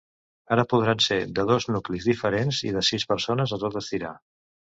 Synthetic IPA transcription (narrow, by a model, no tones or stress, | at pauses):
aɾəpuð̞ɾansed̪əðɔznuklizðifəɾenzḭðəsispəɾsonəzət̪ot̪əst̪iɾa̰